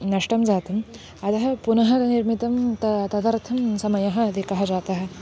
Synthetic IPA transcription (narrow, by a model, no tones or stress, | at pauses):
nɐʂʈɐmd͡ʒaːt̪ɐm | ɐt̪ɐɦɐ̆punɐɦɐ̆ɡɐniɾmit̪ɐmt̪ɐt̪ɐd̪ɐɾt̪ʰɐmsɐmɐjɐɦɐ̆ɐd̪ʱikɐɦɐd͡ʒaːt̪ɐɦɐ̆